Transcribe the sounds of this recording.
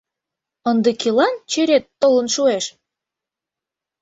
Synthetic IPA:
ənd̪ekilɑnt͡ɕeɾet̪ːolə̆nʃueʃ

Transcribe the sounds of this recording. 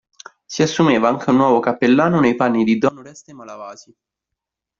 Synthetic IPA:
siasːumeːvaaŋk̟eunːwɔːvokapːelːaːnonejpanːid̪id̪ɔnoɾɛst̪emalavaːzi

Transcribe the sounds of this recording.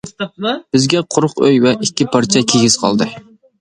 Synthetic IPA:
b̥ɪzɡʲɛqʰʊɾʊqøjwɛʔikʲːɪpʰɑɾt͡ʃʰɛkʲʰeɡʲiz̥qʰɑ̰lˠd̪ɨ

